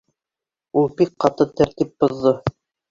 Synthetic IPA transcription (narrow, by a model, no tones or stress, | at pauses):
ulˠbikqɑt̪ɤt̪æɾt̪ip̚bŏðːɤ